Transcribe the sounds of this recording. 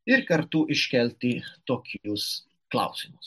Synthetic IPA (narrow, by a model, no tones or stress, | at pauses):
ɪɾkɐɾt̪uːʔɪʃkʲɛlʲt̪ʲit̪oːkʰʲus | kla̰wsɪmʊs